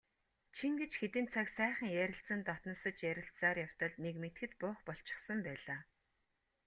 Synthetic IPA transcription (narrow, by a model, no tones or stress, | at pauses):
t͡ɕʰiŋɡet͡ɕxet̪ɘ̆nt͡sʰaksæːχə̆ŋjæɾʲɪ̆ɬsə̆nt̪ɔt̪n̆sɞ̆t͡ɕjæɾʲɪ̆ɬt͡ssaːrjaw̥t̪ɞ̆ɮnekmet̪xɘ̆t̪pʊːχpɔɬt͡ɕɪ̥̆χsɞ̆mpæːɮaː